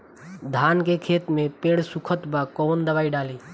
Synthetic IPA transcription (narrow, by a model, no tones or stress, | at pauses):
d̪ʱaːnkeːkʰeːt̪mẽpẽːɽsʊkʰət̪bakoːnd̪əʋaːiɖaːliː